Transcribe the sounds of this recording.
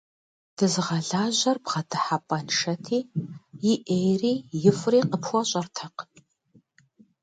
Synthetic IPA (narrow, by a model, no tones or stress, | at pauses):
d̥ɨzʁɐɮaːʑɐrbʁɐtʰɨħapʼɐnʂɐtʰiːjɪʔejriːjɪfriːqəpʰxʷɔɕʼɐrtʰɐq